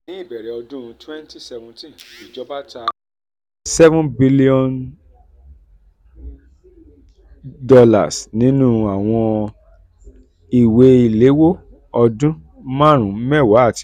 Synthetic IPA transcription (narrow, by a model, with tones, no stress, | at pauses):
nĩ˨˦i˦˨bɛ˨ɾɛ˨˦ɔ˧dũ˦˧twɛ˦nti˦sɛ˧vũ˧tĩ˦˨i˨d͡ʒɔ˦ba˦ta˧ | sɛ˦vũ˦nbi˧li˦ɔ̃˦n | dɔ˧la̰˨snĩ˨˦nũ˦a˨w̃ɔ̃˧ | i˨we˧i˨le˨˦wo˦ | ɔ˧dũ˦ | mã˦˨ɾ̃ũ˨˦mɛ˦˨wa˨˦˨ti˧